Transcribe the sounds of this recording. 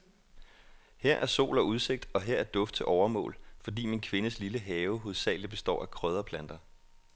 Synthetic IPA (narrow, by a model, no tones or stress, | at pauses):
heɐ̰ʔæɐso̝̰ːlɒuð̞ˠse̝ɡ̥̚d̥ɒ̽ɦe̝ɐ̰æɐd̥ɔ̽fd̥̚t͡sʰe̝ʔɒʊɐmɔ̰ːlfɒ̽d̥ḭːminkʰʋe̝nəsliləɦɛːʊɦo̝ðˠsɛ̰ːl̩b̥e̝sd̥ɒ̰ːækʰʁœð̞ˠɐpʰlænd̥ɐ